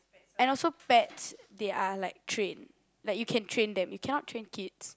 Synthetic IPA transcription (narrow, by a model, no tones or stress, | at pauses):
ɛ̃nɔlsobɛtdeʔalaɪk̚tʰɹẽn | laɪkjukʰɛ̃ntʰɹẽnd̪ɛ̃mjukʰɛnɔtːʰɹẽnkʰids